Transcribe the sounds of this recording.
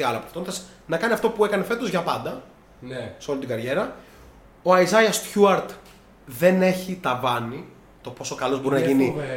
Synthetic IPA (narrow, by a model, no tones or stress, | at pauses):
iɐlɐpoft̪ond̪ɐs | nɐkɐniɐft̪o̞pue̞kɐne̞fe̞t̪ozʝɐpɐnd̪ɐ | seo̞lit̪iɡɐɾʝe̞ɾɐ | oɐizɐjɐst̪çuɐɾt̪ | ðe̞ne̞çit̪ɐvɐni | t̪o̞po̞so̞kɐlo̞zbo̞ɾinɐʝini